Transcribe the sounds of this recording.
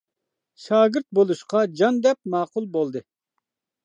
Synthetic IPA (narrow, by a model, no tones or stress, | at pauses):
ʃɑːɡɪɾt̪̚bolˠuʃqɑd͡ʒɑnd̪ɛp̚mɑːqʊlˠbolˠd̪ɨ